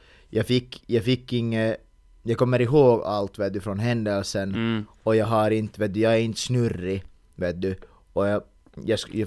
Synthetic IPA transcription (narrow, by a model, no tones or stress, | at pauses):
jɑɡfɪkːjɑːɡfɪkːɪŋːə | jɑːɡkʰɔmːəɾɪɦoːɡa̰lt̪veːt̪̚d̪ɵfɾɔnɦɛnd̪əlsən | ɔjɑːɡɦɑɾɪnt̪veːt̪̚d̪ʉjɑːɡæɾɪnt̪snʉɾːɪ | veːt̪̚d̪ʉ | ɔjɑ | jɑsj